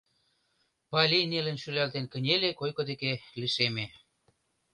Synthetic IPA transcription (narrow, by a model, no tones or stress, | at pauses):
pɑlʲinelĕnʃylælt̪enkə̆nʲelekojkŏd̪ekeliʃeme